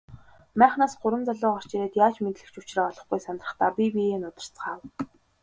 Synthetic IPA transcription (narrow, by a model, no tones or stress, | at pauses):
mæːχnaːsɢʊɾwə̆mt͡saɮʊːŋɔr̥t͡ɕeɾeːt̪jaːt͡ɕmet̪ɮɘ̆kt͡ɕʊt͡ɕraːɔɮɞ̆χɡujsanrə̆χt̪aːpʲipieːnʊt̪ə̥̆r̥t͡sɢaːw